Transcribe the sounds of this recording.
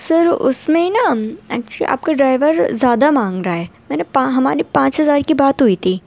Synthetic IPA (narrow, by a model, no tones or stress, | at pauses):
sɐɾʊ̰smẽinaɛ̰ːk̚t͡ʃəlḭʔa̰ːp̚kaɖɾaːɪʋəɾzjaːd̪amãːŋɡɾɐaɦɛːmɛːnepãɦɐmaːɾipãːt͡ʃɦɐzaːɾkibaːt̪ɦʊit̪ʰiː